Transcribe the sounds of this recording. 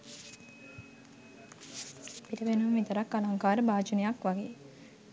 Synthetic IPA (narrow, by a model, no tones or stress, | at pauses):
pitəʋenumʋit̪əɾakːalaŋkaːɾəbaːd͡ʒunejakʋaɡeː